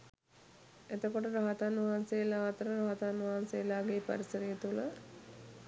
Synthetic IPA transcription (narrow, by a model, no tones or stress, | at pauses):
et̪əkoʈəɾaɦat̪anʋaɦansejlaːt̪əɾəɾaɦat̪anʋaɦansejːlaːɡeːpɐ̰ɾisəɾijət̪ulə